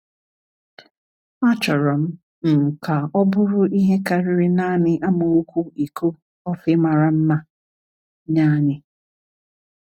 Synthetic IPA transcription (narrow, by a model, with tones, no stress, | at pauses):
a˦t͡ʃɔ˨ɾɔ˨m̩˦ | ŋ̩˨ka˨ɔ˦bʊ˦ɾʊ˦ʔi˦ɦe˦ka˨ɾɪ˨ɾɪ˦na˦nɪ˦ʔa˦mo˨u˦kʷu˦i˨ko˦ | ɔ˦fɪ˦ma˨ɾa˨m̩˦ma˦ | ɲaː˦ɲɪ˦